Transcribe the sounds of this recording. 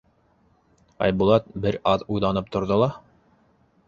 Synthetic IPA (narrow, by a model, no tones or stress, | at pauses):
ɑ̰jbulˠɑt̪̚bɘɾɑðujlˠɑnɤp̚t̪ŏɾðolˠɑ